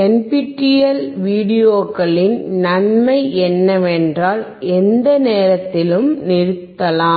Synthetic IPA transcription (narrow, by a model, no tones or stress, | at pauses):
ɛnpɪʈːɪjɐlʋiːɽɪjoːkɐɭɪnnɐnmɐɪɛnːɐʋɛndraːl | ʔɛnd̪ɐneːɾɐt̪ːɪlɯmnɪɾɯt̪ːɐlaː